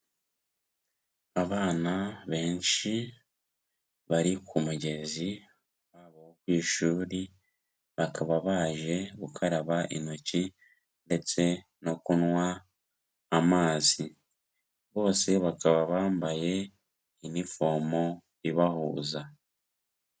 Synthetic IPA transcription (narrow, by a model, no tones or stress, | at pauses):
aβaːnaβe̞ːnʃi | βaɾikʰumuɟe̞zi | βaβohokwiːʃuːɾi | βakʰaβaβaʒe̞βukʰaɾaβaʔḭnoci | nde̞t͡se̞ | no̞kunwaː | maːzi | βo̞ːse̞βakaβaβaːmbaje̞ | inifo̞mo̞ | iβahuːza